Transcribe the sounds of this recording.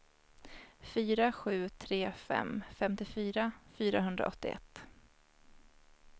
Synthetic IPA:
fyːɾaɧʉ̟ːt̪ʰɾeːfɛ̰mfɛmt̪ɪfyːɾafyːɾaɦɵnd̪ɾa̰ʔɔt̪ːɪ̰ʔɛ̰t̪ː

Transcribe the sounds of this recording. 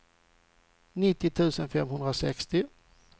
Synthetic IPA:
nɪt̪ːɪt̪ʰʉ̟ːsənfɛmːɦɵnd̪ɾasɛkst̪ɪ

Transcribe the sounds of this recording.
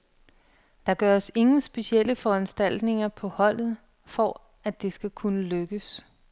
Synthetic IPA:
d̥ɑ̈ɡ̥ɶɐse̝ŋn̩sb̥e̝siel̰əfɒ̽ænsd̥æl̰d̥ne̝ŋɐpʰɒ̽hɒ̽l̰ð̩ˠ | fɒ | æd̥e̝sɡ̥ækʰunəløɡ̥əs

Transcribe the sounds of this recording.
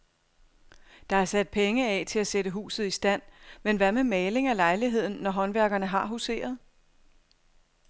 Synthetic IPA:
d̥ɑ̈æɐsæd̥̚pʰeŋəɛt͡sʰe̝læsedəɦṵːsð̩ˠisd̥æn̰menʋæɐmemɛːle̝ŋælɑ̈ɪliɦe̝ð̞̰ˠn̩ːɒɦɒ̽nʋæɐɡ̥ɐnəɦɑ̈ɦuse̝̰ːɐðˠ

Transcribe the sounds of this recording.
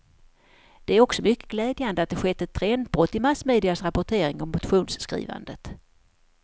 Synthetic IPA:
d̪̥ɛæɾɔksɔmʏkːəɡlɛːd̪jand̪əat̪̚d̪ɛɧɛt̪ːɛt̪ʰːɾɛnd̪̚bɾɔt̪ːɪmasːmeːd̪ɪasɾapʊʈʰeːɾɪŋɔmːʊt̪ɧuːnsːkɾḭːva̰nd̪ət̪

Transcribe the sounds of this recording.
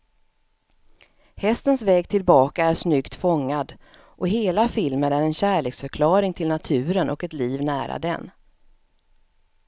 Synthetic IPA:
hɛst̪ənsvɛːɡt̪ʰɪlbɑːkaæʂnʏkt̪fɔŋːad̪ | ʔɔɦeːlafɪlmənæɾɛnɕæːɭeːksfœɾkʰlɑːɾɪŋt̪ʰɪlnat̪ʰʉ̟ːɾənʔɔkɛt̪liːvnæːɾa̰d̪ɛ̰n

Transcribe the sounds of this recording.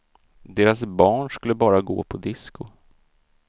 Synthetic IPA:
d̪eːɾasbɑːɳʂkɵlːəbɑːɾaɡo̰ːpʰɔd̪ɪskʊ

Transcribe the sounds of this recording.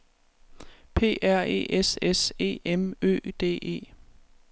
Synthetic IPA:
pʰe̝̰ːʔæɐ̰e̝̰ːʔesese̝̰ːemø̰ːd̥e̝̰ːe̝̰ː

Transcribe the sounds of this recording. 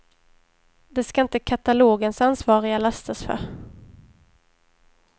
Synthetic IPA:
d̪ɛskaɪnt̪əkʰat̪aloːɡənsansvɑːɾɪɡalast̪ʰasfœ̰ɾ

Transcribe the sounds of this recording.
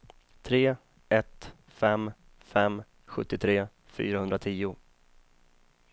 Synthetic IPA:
t̪ʰɾeː | ɛt̪ | fɛm | fɛm | ɧɵt̪ːɪt̪ʰɾeː | fy̰ːɾahɵnd̪ɾat̪ʰiːʊ

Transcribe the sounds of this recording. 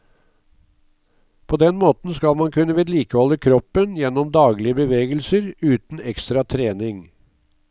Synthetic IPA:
pʰoːd̪ɛnmoːt̪n̩skɑlmɑnkʰʉnːəʋɛːd̪liːkəhɔlːəkʰɾɔpːənjɛnɔmd̪ɑːɡlɪəbəʋeːɡəlsəɾʉːt̪n̩ɛkst̪ɾɑt̪ʰɾeːnɪŋ

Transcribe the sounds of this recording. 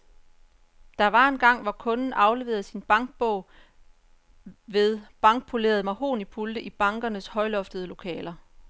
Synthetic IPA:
d̥ɑ̈ʋɑ̈e̝nɡ̥ɑ̈ŋ̰ʋɒkʰɔ̽nn̩ʔɑ̈ʊle̝ʋe̝̰ːð̩ˠsinb̥ɑ̈ŋɡ̥̚b̥ɔʊ̰ | ʋe̝ðˠb̥ɑ̈ŋɡ̥̚pʰo̝le̝̰ɐð̞̩ˠmɑ̈ho̝̰ːnipʰuld̥əʔib̥ɑ̈ŋɡ̥ɐnəshɒ̽ɪlɒ̽fd̥əðˠlo̝kʰɛ̰ːlɐ

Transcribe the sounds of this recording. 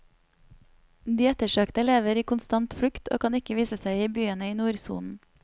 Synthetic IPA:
d̪iːɛt̪əʃøːkt̪əleːʋəɾiːkʊnst̪ɑnt̪fɽʉkt̪ʰo̰ːkʰɑːnɪkəʋiːsəsæɪiːbyːənəiːnuːɾsṵːln̩

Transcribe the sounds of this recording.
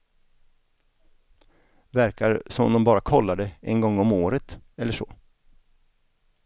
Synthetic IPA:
væɾkaɾsɔmɔ̰md̪ɔmbɑːɾakʰɔlːaɖɛɛnɡɔŋːɔmoːɾət̪ɛlːəʂɔ̰ː

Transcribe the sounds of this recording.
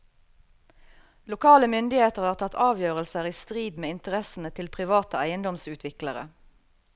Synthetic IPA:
lʊkʰɑːləmʏnd̪ɪheːt̪əʁhɑːʁt̪ʰɑt̪ʰɑːʋjøːʁəlsəʁiːst̪ʁiːd̪meːɪnt̪əʁɛsn̩ət̪ʰɪlpʰʁɪʋɑːt̪əæɪənd̪ɔmsʉːt̪ʰʋɪkləʁə̰

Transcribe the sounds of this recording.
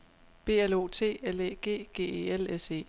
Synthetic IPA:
b̥e̝̰ːælo̝ːt͡sʰe̝̰ːeleɡ̥e̝̰ːɡ̥e̝̰ːeːelese̝̰ː

